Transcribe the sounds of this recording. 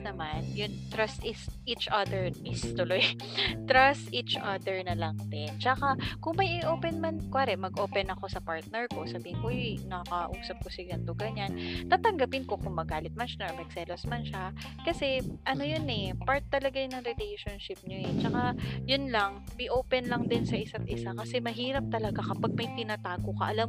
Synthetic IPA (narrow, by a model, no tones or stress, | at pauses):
nɐmanjʊnt̪ɾɐst̪ʔɪsʔit͡ʃʔɐd̪ɛɹʔɪst̪ʊloj | t̪ɾɐst̪ʔit͡ʃʔɐd̪ɛɹnɐlɐŋd̪ɪnt͡ʃɐkakʊŋmɐjʔɪʔoːpɛnmankwaːɾɛʔmɐɡʔoːpɛnɐko̞sɐpaɹt̪̚nɛɹko̞sɐbiːhɪnkojnɐkɐkɐʔuːsɐp̚kosɪɡɐnd̪oɡɐɲant̪aːt̪ɐŋɡɐpɪnko̞kʊŋmɐɡaːlɪt̪̚mɐnʃɐnɐmɛksɛlosmɐnʃa | kɐsɛʔɐno̞jonɛpaɹt̪ːɐlɐɡajʊnɐŋɾɪlejʃonʃɪp̚ɲoɛt͡ʃɐkajʊnlaŋbɪʔoːpɛnlɐŋd̪ɪnsɐʔɪsat̪̚ʔɪsakɐsɛmɐɦiːɾɐp̚t̪ɐlɐɡakɐpaɡ̚mɐjt̪ɪnat̪aːɡokɐʔɐlam